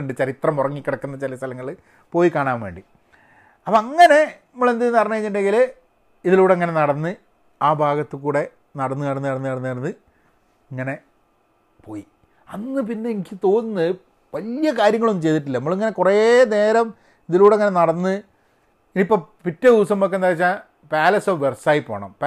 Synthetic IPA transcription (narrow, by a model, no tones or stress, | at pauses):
ɳɖɨt͡ɕɐɾit̪rɐmurɐŋːikʲːiɽɐkːunːɐt͡ɕilɐst̪ʰɐlɐŋːɐɭ | po̞ːjikaːɳaːnʋe̞̰ːɳɖi | ɐpɐɐŋːɐne̞ | ɐmːoɭend̪enːɨɐpɐrɐɲːukɐiɲːiɳɖe̞ŋɡil | iðiluːɽeŋːɐne̞nɐɽɐnːɨ | aːbʱaːɡɐt̪ːɨkuːɽe̞ | nɐɽɐnːɨnɐɽɐnːɨnɐɽɐnːɨnɐɽnːɨɐɽɐnːɨ | iŋːɐne̞ | po̞ːji | ɐnːɨp̬inːeːŋikʲːɨt̪o̞ːnnːɨ | ʋɐlijɐkaːɾjɐŋːɐɭonːɨt͡ɕe̞jt̪iʈ̬ːilːɐnɐmːɐɭiŋːɐne̞kurene̞ːɾɐm | iðiluːɽeŋːɐnenɐɽɐnːɨ | inipːoːpitːɐðiʋɐsɐmːok̬ːenaːɾit͡ɕːaː | paːlɐsoʋʋersaːjipːoːɳɐ̰mp